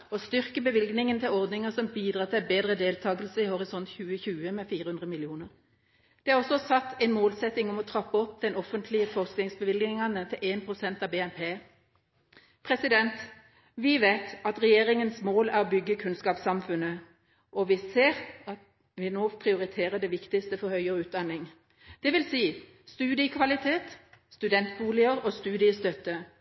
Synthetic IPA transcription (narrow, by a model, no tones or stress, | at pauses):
ɔst̪ʏʁkəbəʋɪlɡnɪŋənt̪ʰɪlɔʁd̪nɪŋəsɔmbiːd̪ʁɑːt̪ʰɪlbeːd̪ʁəd̪eːlt̪ʰɑːɡəlsəɪhɔʁɪsɔnt̪çʉːəçʉːəmɛfiːʁəhʉnd̪ʁəmɪlɪuːnəʁ | d̪̥ɛæʁɔsɔsɑt̪ːɛɪnmoːlsɛt̪ːɪŋɔmɔt̪ʰʁɑpːəɔpːd̪ɛnɔfənt̪ʰlɪəfɔʁsknɪŋsbəʋɪlɡnɪŋɑnət̪ʰɪlʔeːnpʰʁʊsɛnt̪ɑbeːɛnpʰeː | pʰʁɛsɪd̪ɛnt̪ | ʋɪʋeɪt̪ɑt̪ʁɛjeːɾɪŋənsmoːlæʁɔbʏɡːəkʰʉnskɑːpsɑmfʉnə | ʔɔʋɪseːʁɑt̪ | ʋɪnoːpʰɾɪʊɾɪt̪ʰeːʁəd̪ɛʋɪkt̪ɪst̪əfɔɾhœʏɔʉːt̪̚d̪ɑnːɪŋ | d̪̥ɛʋɪlsiː | st̪ʉːd̪ɪəkʰʋɑlɪt̪ʰeːt̪st̪ʉd̪ɛnt̪buːlɪəɾɔst̪ʉːd̪ɪəst̪œt̪ːə